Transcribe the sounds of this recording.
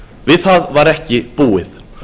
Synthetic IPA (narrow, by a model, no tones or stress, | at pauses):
vɪðθaðvaɾɛhcɪpuːɪθ